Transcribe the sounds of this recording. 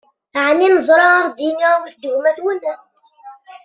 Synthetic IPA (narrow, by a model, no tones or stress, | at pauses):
ʕnːinəzˤɾˤɑaʁd̪iniʁwθd̪əʝmæθwənːæ